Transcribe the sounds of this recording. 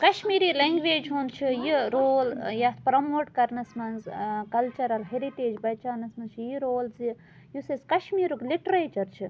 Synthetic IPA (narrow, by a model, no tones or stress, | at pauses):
kɐʃmiːɾileŋɡʋeːd͡ʒɦunt͡ʃʰijiɾoːljɐt̪ʰpɾɐmoːʈkɐɾnɐsmɐnzkɐlt͡ʃɐɾɐlɦeɾiʈeːd͡ʒbɐt͡ʃaːnɐsmɐnt͡ʃʰijiɾoːlzi | juseskɐʃmiːɾukliʈɾeːt͡ʃɐɾt͡ʃʰi